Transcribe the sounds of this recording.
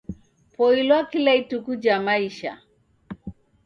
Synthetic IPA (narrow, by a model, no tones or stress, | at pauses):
pɔilwakilaitukud͡ʒamaiʃa̰